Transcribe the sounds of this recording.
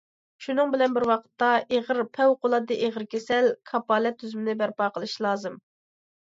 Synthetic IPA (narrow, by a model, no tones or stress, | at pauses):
ʃunɨŋbɪlɛnbɪɾwɑqʰə̥t̪ːɑʔeʁəɾpʰɛwqolˠɑd̪ɨʔeʁəɾkʲʰesɛlkʰɑpɑːlɛt̪ʰːyzymɪnɪbæɾpɑːqəlˠɨʃlˠɑːzɨm